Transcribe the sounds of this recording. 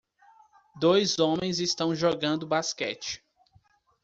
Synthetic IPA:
d̪ojzõmẽj̃zist̪ɐ̃w̃ʒoɡɐ̃nd̪ʊbaskɛ̰t͡ʃɪ̥

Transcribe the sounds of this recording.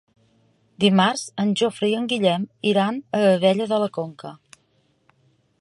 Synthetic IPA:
d̪imaɾz̥ənʲʒofɾiəŋɡiʎɛmiɾanəəβɛʎəðələkoŋkə

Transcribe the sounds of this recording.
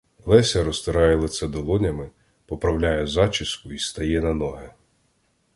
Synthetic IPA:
lˠɛsʲɐɾɔst̪ɪɾɑjɛlˠet̪sɛd̪ɔlˠɔnʲɐmɪ | pɔpɾɐwlʲajɛzɑt͡ʃɪskʊist̪ɐjɛnɐnɔɦɛ

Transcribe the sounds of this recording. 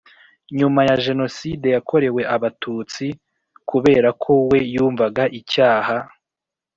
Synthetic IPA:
ɲumajaʒe̞no̞side̞jakʰo̞ɾe̞we̞ʔaβatʰuːt͡si | kuβe̞̰ːɾakʰo̞we̞juːɱvaɡaʔicaːha

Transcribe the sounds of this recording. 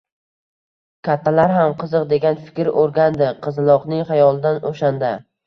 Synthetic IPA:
kʲʰat̪ʰːalaɾɦamqʰɨzɨqd̪e̞ɡʲanfɪ̥kʲɾoɾɡʲand̪ɪqʰɨzlˠɒqnɪŋχajɒlˠd̪anʔoʃand̪a

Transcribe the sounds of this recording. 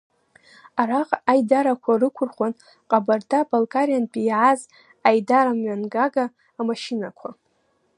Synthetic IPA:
araqʼajdaɾakʷʰarɨkʷʰʊrχʷan | qʼabartʰabalkʼaɾjanpʼijʕaz | ajdaɾamɥanɡaɡaː | maʃinakʷʰa

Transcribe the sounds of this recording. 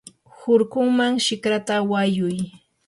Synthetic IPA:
hʊɾkʊŋmaŋʃɪkɾat̪awajʊj

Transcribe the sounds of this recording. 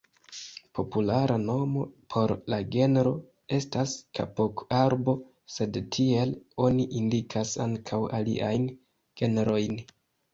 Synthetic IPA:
po̞pulaɾano̞mo̞pʰo̞ɾlaɡe̞nɾo̞ | e̞staskʰa̰po̞kaɾbo̞ | se̞dtʰie̞lo̞niʔindikʰasaŋkʰawa̰lḭʔa̰jn | ɡ̥e̞neɾo̞jn

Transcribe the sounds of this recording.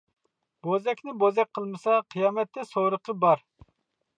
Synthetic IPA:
bozɛkʲnɪbozɛk̚ʲqʰəlˠmɨsɑqʰijɑːmɛt̪ːɛsoɾəqʰəbɑɾ

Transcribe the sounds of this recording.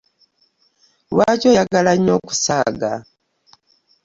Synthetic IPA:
wacojaɡalaɲo̞ːku̥saːɡa̰

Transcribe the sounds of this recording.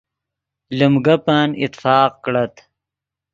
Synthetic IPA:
lumɡapaːnɪ̰t̪ːfɑːqkɽat̪

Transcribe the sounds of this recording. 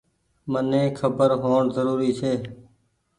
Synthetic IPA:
mənẽːkʰəbəɾɦoːɳzəɾuːɾiːt͡ʃʰeː

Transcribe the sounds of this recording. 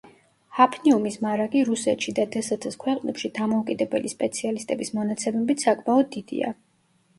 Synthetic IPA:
hapʰniumismaɾaɡʼiɾusɛt̪ʃid̪ad̪ɛsat̪ʰɛskʰwɛqʼnɛpʃid̪amɔukʼid̪ɛbɛlispʼɛt̪sʰialist̪ʼɛbismɔnat̪sʰɛmɛbit̪sakʼmaɔd̪ːid̪̥ḭa̰

